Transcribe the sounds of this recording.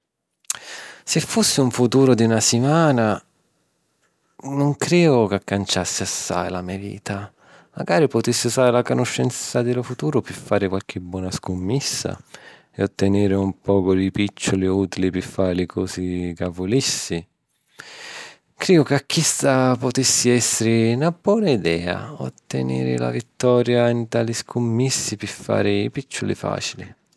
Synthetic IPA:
sɪfːusːɪuɱfut̪uːɾʊd̪iunasimaːna | nʊŋkɾɛːɡʊkakːant͡ʃasːɪasːa̰jlamiavḭːt̪a | ma̰ɡaːɾipʊt̪isːɪsaːɾlakʊnʊʃːɛnt̪sad̪ɪlʊfut̪uːɾʊpɪfːaːɾɪkwalk̟ʰɪbwɔːnaskʊmːisːa̰ | ɛ̰ot̪ːɪnɪːɾɪumpɔːkʊlipit͡ʃːʊliuːt̪ilipɪfːaːlɪkʰɔːsikavːʊlisːi | kɾɛːɡʊkakʰːist̪apʊt̪isːiɛsːɪɾɪnabwɔːnaid̪ɛːa̰ɔ̰t̪ːɛnḛːɾɪ̰la̰vit̪ːɔːɾjaint̪aːliskʰʊmːisːipɪfːa̰ːɾɪipit͡ʃːʊlḭfa̰ːt͡ʃili

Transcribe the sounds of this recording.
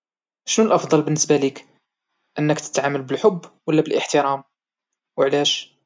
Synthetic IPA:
ʃnulʔɑfd̪ˤɑlbənːəsbælik | ʔənːəkt̪ə̥t̪ʕamːəlbəlħʊbːwəlːæbəlʔəħt̪əɾɑm | wəʕlæʃ

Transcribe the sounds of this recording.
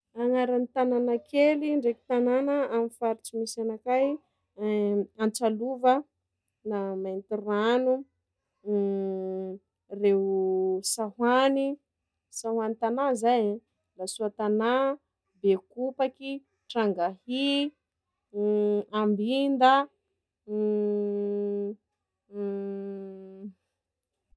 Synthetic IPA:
aŋaɾanit̪ananakeliɳɖ͡ʐeki̥t̪ananəamifaɾit͡simisanakaj | ant͡saluvə | namant̪iranu | rewsaɦwani | sahwanit̪anazajã | lasuat̪ana | bekupaki | ʈ͡ʂaŋɡahi | ambind̪ə

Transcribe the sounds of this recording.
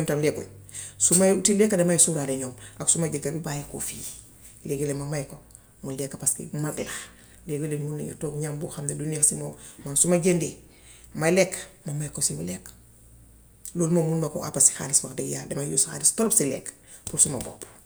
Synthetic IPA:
ntamleɡolsumatilekːademajsuɾadeɲoːmaksumaɟikabibajeko̰fi | leɡolemamajko | mulekːapaskḭmadila | leɡolenmunḭŋḭtoːɡɲambuxamdedunexsimomansumaɟendi | malekːmamajkosimulekː | loːlmomulmako̰ʔapasi̥xa̰ːliswakdeɡjaːdemajusxa̰ːlistolobsilḛːk | pulsumabo̰ːp

